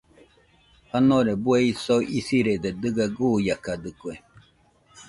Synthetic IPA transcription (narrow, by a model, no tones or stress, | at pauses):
hanoɾebueisoʔisiɾed̪ed̪ɨɡaɡujakad̪ɨkwe